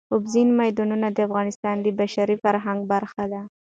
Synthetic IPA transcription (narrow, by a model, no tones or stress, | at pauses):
ʊbzinmajd̪ɑnunad̪əafɣɑnɪst̪ɑnd̪əbaʃaɾifaɾɦaŋɡ̚baɾxad̪a